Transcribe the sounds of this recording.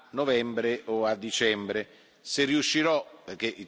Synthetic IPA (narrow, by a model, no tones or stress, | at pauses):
novɛmbɾeʔoad̪ːit͡ʃɛmbɾe | serːiuʃːiɾɔperk̟eʔi